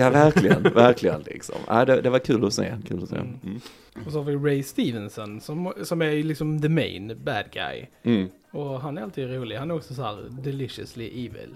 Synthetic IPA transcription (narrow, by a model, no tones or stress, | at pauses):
jɑːvæɾklɪɡənvæɾkʰlɪɡə̰nlɪ̰ksɔ̰mæ̰ːɪd̪ɛd̪ɛvaɾkʰʉ̟ːlɔsḛːnkʰʉ̟ːlɔsḛː | ɔsɔhɑːɾvɪɾɛɪst̪iːvənsɔnsɔmsɔmæɾlɪksɔmðəmɛ̰ɪnbæd̪ɡa̰jm̩ː | ɔɦanæɾalt̪iːd̪ɾuːlɪhanæɾɔksɔs̬aɦæːɾd̪ɛlɪʂə̰slɪʔiːvɪ̰l